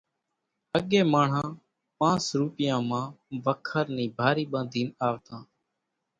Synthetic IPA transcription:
əɠeːmaːɳ̤ãː | pãːsɾuːpɪjãːmãːʋəkʰəɾnĩːbʱaːɾiːɓãːnd̪ʱiːnaːʋt̪ãː

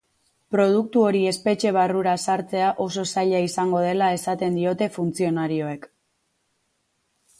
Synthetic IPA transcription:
pɾo̞ð̞uk̚t̪uo̞ɾie̞spe̞t͡ʃe̞β̞aruɾasaɾt͡se̞aʔo̞so̞saʎaisaŋɡo̞ð̞e̞lae̞sat̪e̞nd̪io̞t̪e̞funt͡sio̞naɾio̞e̞k

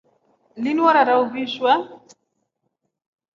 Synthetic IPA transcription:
liniwaɾaɾauviʃwa

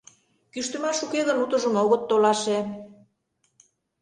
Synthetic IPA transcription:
kyʃt̪ø̆mɑʃukeɣə̆nut̪ɤ̆ʒə̆moɣət̪ːolɑʃe

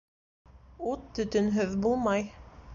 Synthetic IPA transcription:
ut̪ːɵ̆t̪ɵnɦɵðbulˠmɑj

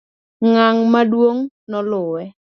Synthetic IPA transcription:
ŋaŋmadwoŋ | nɔlʊwɛ

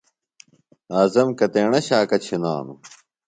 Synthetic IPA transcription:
aːzɐmkɐt̪eːɳɐɕaːkɐt͡ɕʰina̰ːnu

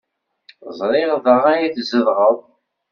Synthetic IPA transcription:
zˤɾˤɪʁðəʁæjiðzəðʁəðˤ

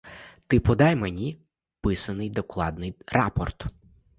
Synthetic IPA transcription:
t̪ɪpɔd̪ɑjmenʲi | pɪsɐnɪjd̪ɔklˠɑd̪nɪjrɑ̰pɔrt̪

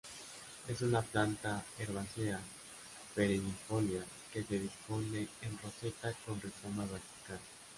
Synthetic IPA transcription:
esunaplant̪aeɾβasea | peɾinifolja | keseðisponeenroset̪akonresomaβasi̥kal

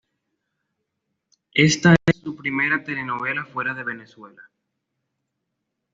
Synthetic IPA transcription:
e̞st̪asːupɾime̞ɾat̪e̞le̞noβ̞e̞lafwe̞ɾað̞e̞β̞e̞neswe̞la

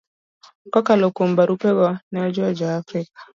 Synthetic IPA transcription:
kɔkalɔkumbaɾupɛɣɔnɛɔd͡ʒɔd͡ʒaːfɾik̚ḁ

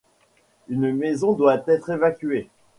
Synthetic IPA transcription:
ynmezɔ̃d̪wat̪ɛt̪χevakʲɥe

